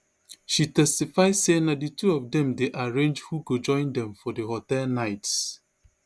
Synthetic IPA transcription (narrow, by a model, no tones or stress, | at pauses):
ʃitɛstifaɪzsenaditʰuɔvdɛ̃mdeʔaɹẽnd͡ʒhuɡod͡ʒɔ̃ɪ̃ndɛ̃mfɔdəhɔtɛlnaɪts